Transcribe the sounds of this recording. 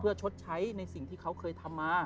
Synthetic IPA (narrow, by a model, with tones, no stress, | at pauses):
pʰɯ˥˩ɐt͡ɕʰo˦˥t̪̚t͡ɕʰa˦˥jna˧jsi˨˩ŋt̪ʰiː˥˩kʰa˦˥wkʰɤː˧jt̪ʰa˧mːaː˧